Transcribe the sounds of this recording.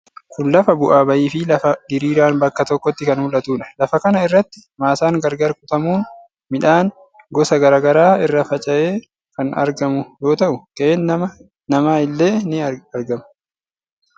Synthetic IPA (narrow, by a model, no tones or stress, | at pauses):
kʊnlɐfɐbʊʔaːbɐjiːfɪlɐfɐɡɪɾiːɾaːnbɐkːɐt̪ɔkːɔt̪ːɪkɐnhʊlɐt̪uːᶑɐ̥lɐfɐkɐnɐɪrːɐt̪ːɪ̥maːsaːŋɡɐɾɡɐɾkʊt̪ɐmuːn | mɪᶑaːn | ɡɔsɐɡɐɾaːɡɐɾaːɪrːɐfɐt͡ʃʼɐʔe̞ː | kɐnɐ̰ɾɡɐmʊjo̞ːt̪ɐʔʊk̪ɐeːnɐmɐ | nɐmaːɪlːe̞ːnɪɐɾɡɐmʊ̥